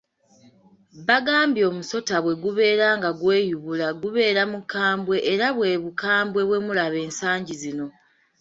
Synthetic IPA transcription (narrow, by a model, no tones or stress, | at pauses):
βaɡaːmbjo̞ːmuso̞taβwe̞ɡuβe̞ːɾaːŋɡaɡwe̞ːjuβulaɡuβe̞ːɾamukaːmbwe̞ʔːɾaβwe̞βukaːmbwe̞βwe̞mulaβe̞ːnsaːɲɟizino̞